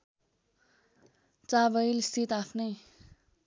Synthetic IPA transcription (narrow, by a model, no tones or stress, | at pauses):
t͡sabʌjlist̪ʰit̪apʰnʌj